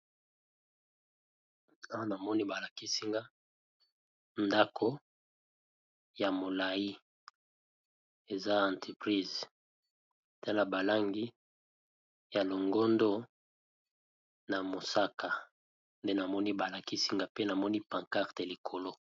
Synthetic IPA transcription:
a˦wa˦na˨mɔ˦ni˦ba˨la˨ki˦si˦ŋɡa˦ | nda˦kʰo˦ | ja˨mo˨la˨ji˦ | e˨za˦ã˨ntʰi˨pʁi˦˨z | ta˦la˨ba˨la˦ŋɡi˦ | ja˨lo˨ŋɡo˦ndo˦ | na˨mo˨sa˦ka˨ | nde˦na˨mɔ˦ni˦ba˨la˨ki˦si˦ŋɡa˨pe˦na˨mɔ˦ni˦pa˨ŋka˦ʁte˨li˨kʰo˨lo˦

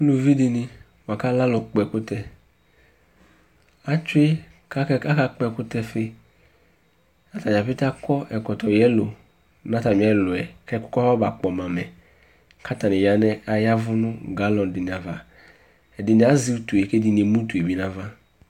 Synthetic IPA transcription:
lu˨vi˦di˨ni˨ | m˨a˨ka˦la˦lɔ˨k͡pɔ˨ɛ˨kʊ˦tɛ˦ | a˦t͡ʃʊ˦e˦ | ka˦ka˦k͡pɛ˨kʊ˦tɛ˦fe˦ | na˦ta˨a˨pɪ˦ta˦kɔ˦ʔɛ˨kɔ˨tɔ˨jɛ˦lo˨ | nã˦ta˨mĩ˨˦ɛ˦lʊ˨ɛ˨kɛ˦kʊ˦kɔ˦fa˦ba˨k͡pɔ˨mã˨mɛ˨ | kʰa˦ta˨nɪ˨ja˨nɛ˦a˨ja˦vʊ˦nʊ̃˦ɡa˨˦lɔ˨n˨dɪ˨ni˨a˨va˨ | ɛ˨dɪ˨nĩ˨a˨˦zi˨˦u˦tu˨e˨ke˦di˨n˨i˨˦mũ˦tu˨e˨bi˦nã˦va˦

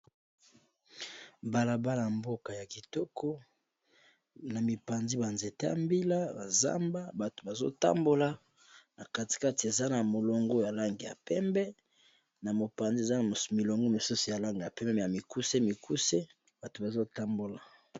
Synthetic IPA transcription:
ba˨la˨ba˦la˨mbo˦ka˨ja˨ki˨tɔ˦kʰɔ˦ | na˨mi˨pa˨nzi˦ba˨nze˨te˦ja̰˨mbi˦la˦ba˨za̰˦mba˦ba˨to̥˨ba˨zo˦ta̰˦mbo˦la˦ | na˨ka˦ti̥˨ka˦ti˨e˨za˦na˨mo˨lo˨ŋɡo˦ja˨la˦ŋɡi˨ja̰˨pɛ˦mbɛ˦ | na˨mo˨pa˨nzi˦˨e˨za˦n˨mi˨lo˨ŋɡo˦mo˨su˦so˨ja˨la˦ŋɡi˨ja˨pɛ˦mbɛ˦˨ja˨mi˨ku˦se˦mi˨ku˦se˦ | b̥a˨to˨ba˨zo˦ta˦mbo˨la˨

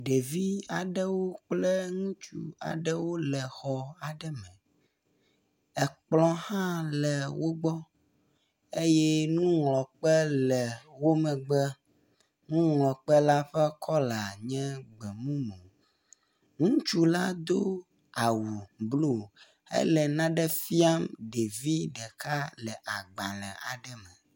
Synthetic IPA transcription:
ɖe˨vi˦a˨ɖɛ˦wo˦k͡plɛ˦ŋũ˦t͡ʃṵ˦a̰˨ɖɛ˦wo˦lɛ˨xɔ˨a˨ɖɛ˦mɛ̃˨ | ɛ˨k͡plɔ̃˦hã˦lɛ˨wo˦ɡ͡bɔ˦ | e˦jɛ˦nũ˦ŋlɔ˨k͡pɛ˦lɛ˨wo˦mɛ̃˨ɡ͡bɛ˦ | nũ˦ŋlɔ̃˨k͡pɛ˦la˦ɸɛ˦kʰɔ˦la˨ɲɛ̃˦ɡ͡bɛ˨mũ˦mẽ˨ | ŋũ˦t͡ʃu˦la˦d̪o˦ | a˨wu˨blo˦˨ | ḛ˦lɛ˨nã˦ɖɛ˦fi˦a˦mɖe˨vi˦ɖɛ˨ka˦lɛ˨ʔa˨ɡ͡ba˨lɛ̰˨a˨ɖɛ˦mɛ̃˨

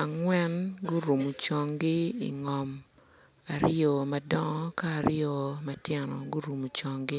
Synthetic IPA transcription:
a˨ŋwɛ˦nɡʊ˦ɾu˨mu˨t͡ʃɔ˦ŋɡɪ˦ḭ˨ŋɔ˨m | a˨ɾjɔ˨ma˨dɔ˦ŋɔ˦kaː˦˨ɾɪjo˨ma˦tjɛ˦nɔ̰˨ɡʊ˦ɾu˨mu˨t͡ʃɔ˨ŋɡɪ˦

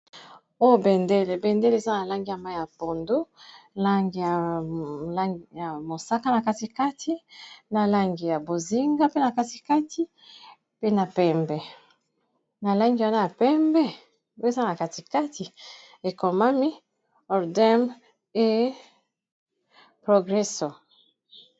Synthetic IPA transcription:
o˦jo˦bɛ˨nde˦le˨bɛ˨nde˦le˦˨˦za˦na˨la˦ŋɡi˨ja˨ma˦jja˨po˨ndo˦la˦ŋɡi˨ja˨ | la˦ja˨mo˨sa˦ka˦na˨ka˦ti˨˦ka˦tʰi˦na˨la˦ŋɡi˨ja˨bo˨zi˦ŋɡa˦pe˦na˨ka˦ti˨˦ka˦tʰi˦ | pe˦na˨pɛ˦mbɛ˨ | na˨la˦ŋɡi˨wa˦na˦ja˨pɛ˦mbɛ˦ | wza˦na˨ka˨ti˨ka˦tʰi˨ | e˨ko˨ma˦mi˦ | ɔ˨ʁdɛ˦m | e˦ | pʁo˨ɡʁɛ˦so˨

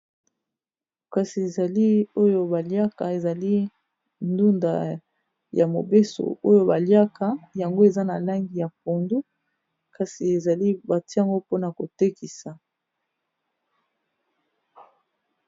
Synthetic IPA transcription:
ka˨si˨e˨za˨li˦o˦jo˦ba˨lja˦ka˨e˨za˨li˦ | ndu˦nda̰˨ | ja˨mo˨be˦so̰˨o˦jo˦ba˨lja˦kʰa˨ja˨ŋɡo˦e˨za˦na˨la˦ŋɡi˨ja˨po˨ndu˦ | ka˨si˨e˨za˨li˦ba˨ti˦a˨ŋɡo˦po˦na˨ko˨te˦ki˨sa˨

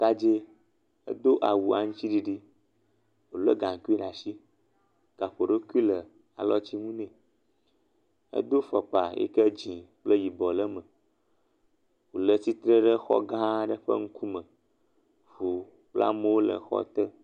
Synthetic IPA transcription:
k̪a˦d͡ʒe˦ | ə̰˦d̪o˦ʔa˨wu˨a˨ŋũ˦t͡ɕi˦ɖi˨ɖi˦ | wo˨lə̰˦ɡã˨ŋ˨ku˦i˦ɖa˨ʃi˦ | ka˨ɸo˨ɖə˦ku˦i˦lə˨ | a˨lɔ˦t͡ɕi˦ŋũ˦nɛ̃˨ | ə̰˦d̪o˦fə˨k͡pa˨ḛ˦kə˦d͡ʒĩ˨k͡plə˦ji˨bɔ˨lə˦mə̃˨ | wo˨lə˦si˦t̪ɾə˦ɖə˦xɔ̰˦ɡã˦ɖə˦ɸə̰˦ŋ̩˦ku˦mə̃˨ | vu˨ | k͡pla̰˦mẽ˦wo˦lə̰˨xɔ̰˦t̪ə˦

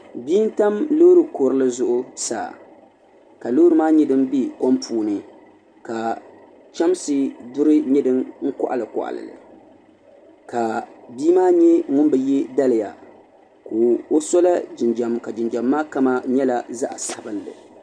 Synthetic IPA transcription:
biː˦n˦ta˦mlo˦ɾɨ˨ko˨ɾɨ˦lɨ˦zʊ˦ʔʊ˦sa̰ː˨ | ka˨lo˦ɾɨ˦maː˦ɲɛ˦dɨ˦mbi˦ko˦mpʰuː˨˦nɨ˨ | ka˨ | t͡ʃa˦msɨ˦dʊ˦ɾɨ˦ɲɛ˦dɨ˦mŋ̩˦kʊ̰˦ʔa̰˨lɨ˨kʊ̰˨ʔa̰˨lɨ̰˨lɨ̰˨ | ka˨bi˦maː˦ɲɛ˦ŋʊ˦nbɨ˨jɛ˦da˦lɨ˨ja̰˨ | koː˨o˦sɔ˦la˦d͡ʒɪ˨nd͡ʒa˨mka˨d͡ʒɪ˨nd͡ʒa˨mːaː˦ka˦ma˦ɲɛ˦la˨za˦ʔa˨sa˨bɨ˦lːɨ̰˨

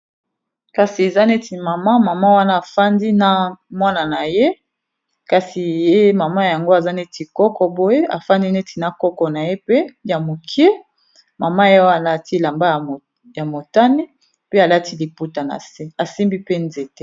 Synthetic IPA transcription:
ka˨si˨e˨za˦ne˦ti˨ma˨ma˦ma˨ma˦wa˦na˦a˨fa˦ndi˦na˦mwa˦na˨na˨je˦ | ka˨si˨je˦ma˨ma˦˨ja˨ŋɡo˦a˨za˦ne˦ti˨kɔ˦kɔ˨bo˦je˦ʔa̰˨fa˦ndi˦ne˦tʰi˨na˦kɔ˦kɔ˨na˨je˦pe˦ja˨mo˨kʰi˦e˦ | ma˨ma˦je˦wa˦na˦a˨ti˦la˨mba˦j | ja˨mo˨ta˦ni˦ | pe˦a˨la˦ti˦li˨pu˦ta˨na̰˨se˦a˨si˦mbi˦pe˦nze˨te˦

